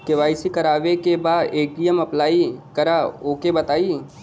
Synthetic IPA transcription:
kɪʋaːɪsikɐɾaːʋekebaːdeːkʈijəmɐplaːikɐɾaːoːkebɐt̪aːiː

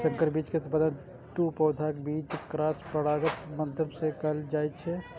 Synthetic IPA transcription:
sə̃ŋkəɾbiːt͡ʃket̪pəd̪ən | ʈupɔːd̪ʱakebiːt͡ʃkɾaːspəɽaːɡət̪məd̪ʱjəmsekəld͡ʒaːjt̪t͡ʃʰɛ

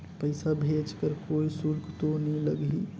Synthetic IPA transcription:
pəɪsabʱed͡ʒkəɾkoːisʊɾkt̪oniləɡi

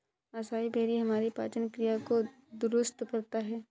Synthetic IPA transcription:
ɐsaːibʱeːɾiɦɐmaːɾipaːt͡ʃənkɾijako | d̪ʊɾʊst̪kɐɾt̪aɦɛː

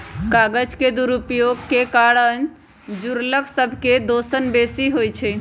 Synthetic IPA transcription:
kaɡəd͡ʒked̪uɾupjoɡkekaɽən | d͡ʒuɾləksəbʱked̪osənbesiɦojt͡ʃʰɛ

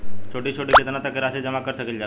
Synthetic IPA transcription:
t͡ɕʰoʈiːt͡ɕʰoʈiːket̪nat̪əkeɾəsed͡zəmakəɾɕəkilja

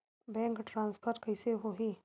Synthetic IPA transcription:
bɛ̃ːŋkʈɾãːnspʰəɾʈkɐjseɦoɦiː

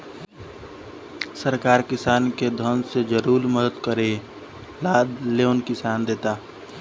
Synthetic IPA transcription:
səɾkaːɾkɪsaːnked̪ʱənsed͡ʒəɾuːɾməd̪əd̪kəɾe | laːd̪leʊnkɪsaːnd̪eːt̪aː

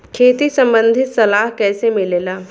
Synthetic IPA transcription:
kʰeːt̪isɐ̃mbə̃nd̪ʱɪt̪sɐlaːɦkɛːsemɪleːlaː

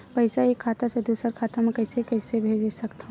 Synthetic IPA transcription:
pɐɪsaeːkʰːaːt̪ased̪uːsəɾkʰaːt̪amẽkɐɪsekɛːsebʱeːd͡ʒd͡ʒsɐkt̪aɦ

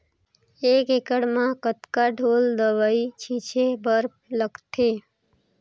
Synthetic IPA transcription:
ekekəɽmãkət̪kaɖʱold̪əʋəit͡ʃʰit͡ʃʰebəɾpləɡt̪ʰe

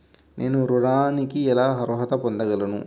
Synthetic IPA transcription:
nʔe̞ːnuɾuɽaːnikiɛlaːɦɐɾɔɦɐt̪ɐpond̪ɐɡɐlɐnṵ

